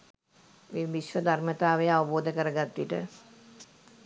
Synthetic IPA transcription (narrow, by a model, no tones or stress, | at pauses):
ʋeʋiʃʋəd̪ʱaɾmət̪aːʋəjəaʋɐboːd̪əkəɾəɡat̪ːiʈə